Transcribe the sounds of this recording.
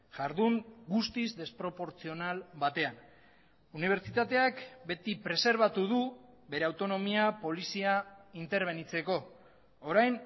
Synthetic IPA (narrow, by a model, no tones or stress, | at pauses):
ʝaɾðuŋɡust̪izd̪e̞spɾo̞po̞ɾt͡sio̞nalβat̪e̞an | uniβ̞e̞ɾt͡sit̪at̪e̞akbe̞t̪ipɾe̞se̞ɾβ̞at̪uðu | be̞ɾe̞awt̪o̞no̞miapo̞lisiaint̪e̞ɾβ̞e̞nit͡se̞ko̞ː | ɾajn